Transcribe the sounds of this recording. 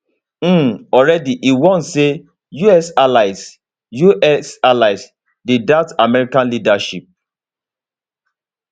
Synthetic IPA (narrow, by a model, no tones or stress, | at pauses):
m̩ɔɹɛdiʔiwɔ̃nse | juɛsalaɪs | juʔɛsalaɪs | didatamɛɹikãnlidaʃip̚